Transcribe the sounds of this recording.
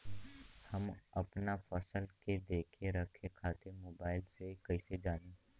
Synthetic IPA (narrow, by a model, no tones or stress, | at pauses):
hɐmɐpnafɐsəlked̪eːkʰeɾɐkʰekʰaːt̪emoːbaːɪlsekɐised͡ʒaːneː